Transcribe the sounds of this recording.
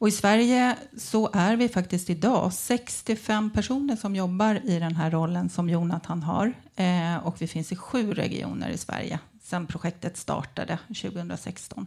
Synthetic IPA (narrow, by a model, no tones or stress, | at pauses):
ɔɪsvæɾjə | sɔʔæɾvɪfakt̪ɪst̪ɪd̪ɑ̰ːsɛkst̪ɪfɛmːpʰæʂuːnəʂɔmjɔbːaɾɪd̪ɛnɦæɾːɔlːənsɔmjuːɳat̪ʰanːɦa̰ɾ | ɔkvɪfɪnsɪɧʉ̟ːɾɛ̰ɡɪ̰ʔṵːnə̰ɾɪ̰svæ̰ɾjə̰ | sɛnpʰɾʊɧɛkt̪ət̪st̪ɑ̰ːʈa̰d̪əɕʉ̟ːɡəhɵnd̪ɾasɛ̰kst̪ɔn